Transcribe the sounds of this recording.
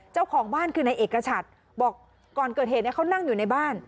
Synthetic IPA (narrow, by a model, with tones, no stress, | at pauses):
t͡ɕaː˥˩wkʰɔː˩˦ŋbaː˥˩nkʰɯː˧na˧jʔeː˨˩kːa˧t͡ɕʰa˨˩t̪̚ | bɔː˨˩k̚ː | ɔː˨˩nkɤː˨˩t̪̚heː˨˩ni˥˩kʰa˥˩wna˥˩ŋjuː˨˩na˧jbaː˥˩n